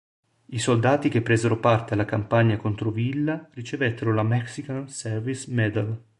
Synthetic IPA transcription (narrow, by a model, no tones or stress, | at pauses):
isold̪aːt̪ik̟epːɾeːzeɾopart̪ealːakampaɲːakont̪ɾovilːarit͡ʃevɛt̪ːeɾolamɛksikansɛrvismɛd̪al